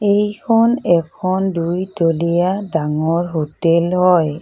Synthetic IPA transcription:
ejkʰɔnɛkʰɔndujtolijadaŋɔɹɦotelɦɔj

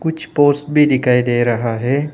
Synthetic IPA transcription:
kʊt͡ʃʰpoːɾsbʱid̪ɪkʰaid̪eːɾɐɦaɦɛː

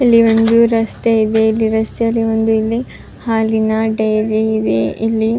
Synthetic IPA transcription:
ɐlːiʋond̪uɾɐst̪eid̪eilːiɾɐst̪eɐlːiʋond̪uilːi | haːlinɐɖɐjɾiːd̪eʔilːi

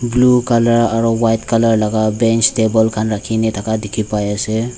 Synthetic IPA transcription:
blukaləɾaɾɔwajtkələɾlaɡabɛnt͡ʃʈebəlkʰanɾakʰinit̪ʰakad̪ikʰipajese

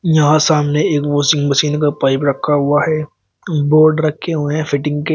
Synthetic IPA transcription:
jɐɦãsaːmneeːkbɔːsɪ̃ŋɡmɐsiːnkapaːɪpɾɐkʰːaɦʊaɦɛː | boːɾɖɾɐkʰːeɦʊeɦɛ̃fɪʈɪ̃ŋɡke

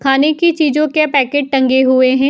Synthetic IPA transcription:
kʰaːnekit͡ʃiːd͡ʒõkepɛːkeːʈ̚ʈɐ̃ŋɡeɦʊeɦɛ̃ː

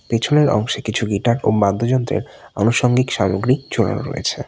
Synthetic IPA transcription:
pet͡ɕʰoneɾɔ̰ŋʃekit͡ɕʰuɡiʈaɾobad̪ʱod͡ʑɔnt̪ɾḛɾ | ɔnuʃɔŋɡikʃamoɡɾit͡ɕoɽa̰no̰ɾo̰jḛt͡ɕʰe

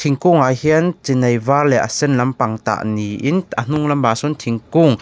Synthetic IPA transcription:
t̪ʰiŋkuŋahiənt͡sinɐjvarlɛʔə̰sɛnlɐmpaŋt̪a̰ʔniʔinʔən̥uŋlɐmːasɔnt̪ʰiŋkuŋ

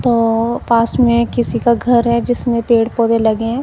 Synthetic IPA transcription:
t̪oːpaːsmẽkɪsikaɡʱɐɾɦɛd͡ʒɪsmẽpeːɽpoːd̪elɐɡeɛ̃

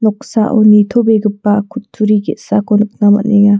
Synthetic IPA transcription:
nɔksa̰ʔonit̪ʰobeɡɯpːakʰut̪ʰːuɾiɡeʔsakonuk̚namɐ̰neja

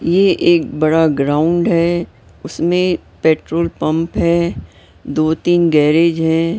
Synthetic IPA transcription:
jeʔeːk̚bɐɽaɡɾaːʊ̃ɳɖɦɛː | ʊsmẽ | peːʈɾoːlpɐ̃mpɦɛː | d̪oːt̪iːnɡɛːɾeːd͡ʒɦɛ̃ː

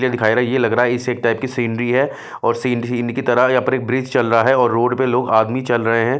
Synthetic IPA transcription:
lied̪ɪkʰaːiɾaɦjelɐɡɾaaɦɛɪseːk̚ʈaːɪp̚kisiːɳɖɾiɦɛ | ɔːɾsiːɳɖɾinkit̪ɐɾaɦjɐpəɾeːk̚bɾiːd͡ʒt͡ʃɐlɾɐɦaɦɛɔːɾːoːɖpeloːɡaːd̪mit͡ʃɐlɾɐɦeɦɛ̃ː

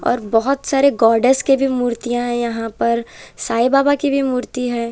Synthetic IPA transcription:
ɔ̰ːɾbɔɦʊt̪saːɾeɡɔːɾɖəskebʱimuːɾt̪ijãɦɛ̃jɐɦãpɐɾsaːibaːbakibʱimuːɾt̪iɦɛː

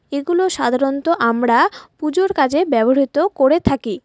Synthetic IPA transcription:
eɡuloʃad̪ʱaɾont̪oʔamɾapud͡ʑoɾkad͡ʑebɛboɦit̪okoɾet̪ʰaki

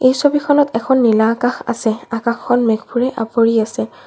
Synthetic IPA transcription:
ejsobikʰɔnɔtɛkʰɔnːilakãxa̰sɛakaxːʰɔnmɛɡbuɹɛʔapoɹiasɛ

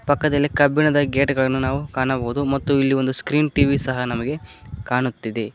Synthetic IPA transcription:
pɐkːɐd̪ɐlːikɐbiɳɐd̪ɐɡeːʈɡɐɭɐnːunaːʋukaːɳɐboːud̪umɐt̪ːuilːiʋo̞nd̪uskɾiːnʈiːʋisɐɦɐnɐmɐɡe̞kaːɳut̪ːid̪e

